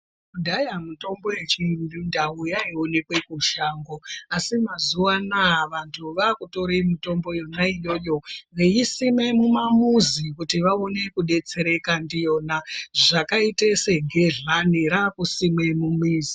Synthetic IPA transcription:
kudʱajamuto̞mbo̞je̞t͡ʃindundaujaione̞kwe̞kuʃaːŋɡo̞asimazuwanaʋantʰuʋakuto̞ɾemito̞mbo̞jo̞naijo̞ːjo̞ʋejisime̞mumamuzikutiʋaone̞kuɗe̞t͡se̞ɾe̞kandijo̞naʐakaiteseɡʱeɮaniɾakusimemumiːzi

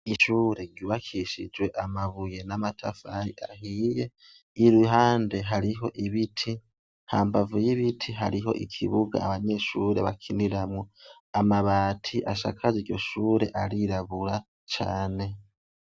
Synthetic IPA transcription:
iʃuːɾe̞ɾɟuːβakʰiʃḭd͡ʒwe̞ʔamaβuje̞namatʰafajiahije̞ | iɾuɦaːnde̞ɦaɾiɦo̞ʔiβitʰi | haːmbavujiβitʰiɦaɾiɦo̞̰ʔḭkʰiβuɡa̰ːβaɲe̞ːʃuɾeβakʰiniɾamŋo | amaβaːtʰiʔaʃa̰kʰaziɟo̞̰ʃuːɾe̞ʔaɾiɾaβuɾa | t͡ʃaːne̞

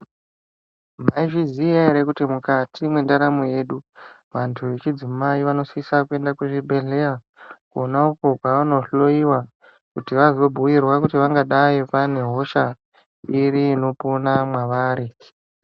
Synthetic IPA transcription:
maiʐiziaeɾe̞kutimukatʰimwe̞ndaɾamoje̞ːɗu | ʋantʰuʋe̞t͡ʃid͡zimaiʋano̞sisakue̞ndakweʐibʱe̞ɮe̞ja | konauko̞kwaʋano̞ɬo̞iwa | kutiʋazo̞bʱuwirwakutiʋaŋɡaɗaipane̞ɦo̞ʃa | iɾiːno̞ponamwaʋaːɾi

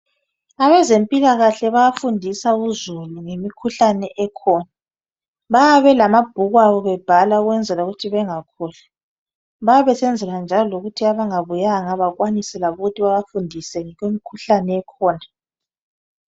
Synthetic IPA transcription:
aβɛzempʼilaɣaɬɛβajafundʱisauzuluŋemikʰuɬanɛʔɛkʰɔːna | βajaβɛlamab̥̚ʱuɣwaɣɔβɛb̥ʱalauɣwɛnd͡zʱɛlauɣutʰiβɛŋakʰuːla | βajaβɛsɛnd͡zʱɛland͡ʒʱalɔloɣutʰiaβaŋaβujaŋaβaɣwanisɛlaβuɣutʰiβaβafundʱisɛŋɛɣwemikʰuɬanɛɛkʰɔːna

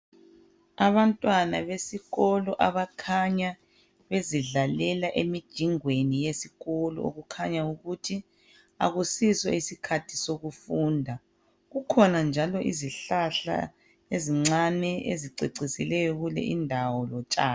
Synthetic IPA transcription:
aβantʼwanaβesiɣɔlɔʔaβakʰaɲa | βeziɮalɛlaʔemid̥ʒ̥ʱiŋwenijesiɣɔlɔ̰o̰ɣukʰaɲauɣutʰi | a̰ɣusiswɔ̰isikʰatʰisoɣufuːndʱa | ɣukʰɔnand͡ʒʱalɔʔḭziɬaɬa̰ | eziŋ͡ǀanɛḛziǀiǀisilɛjɔɣulɛ̰ʔindʱawɔlɔt͡ʃʼaː

